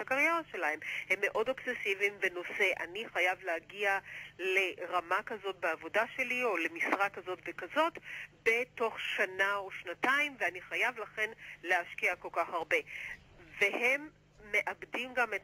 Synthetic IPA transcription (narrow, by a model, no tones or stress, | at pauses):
akaʁjeʁaʃe̞lahemhe̞mːe̞ʔo̞doksesivimve̞no̞se̞ʔa̰niχajavleaɡiale̞ʁamakazo̞t̚beavo̞daʃe̞lio̞le̞misʁakːazo̞tvekazo̞tbe̞to̞χʃanaoʃnataimveaniχajavlaχe̞nle̞haʃkiako̞lkaχaʁbe̞ | ve̞hemː | e̞ʔabdimɡamet